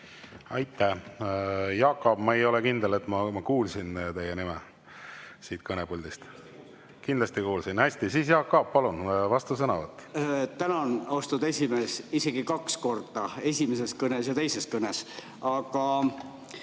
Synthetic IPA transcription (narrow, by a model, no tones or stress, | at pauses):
ɑjt̪ʰːæ | jɑːkːˑob̥mɑejo̞lɛkind̪ele̞t̪ːˑmɑmɑkuːlsint̪e̞jːenimɛ | siːt̪kʰɤnepulʲd̪ist̪ | kind̪lɑst̪ikuːlsinæsʲt̪isiːs̬jɑːkkːɑːppːɑlunvɑst̪us̬ɤnɑvɑt̪ːˑt̪ænɑnost̪ud̪e̞sʲimeːsise̞ɡ̥ikɑksko̞rd̪̥ɑe̞sʲimese̞skɤnesjɑt̪e̞jse̞skɤnes | ɑkɑ